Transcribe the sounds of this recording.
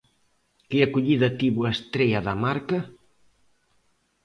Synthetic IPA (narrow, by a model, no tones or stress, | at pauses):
kɪakuʎiðɐt̪iβuaest̪ɾejɐðɐmaɾkɐ